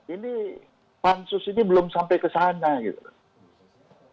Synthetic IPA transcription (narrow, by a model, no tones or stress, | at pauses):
ini | pansʊsinibəlʊmsampajkəsaːnɲaɡḭt̪ula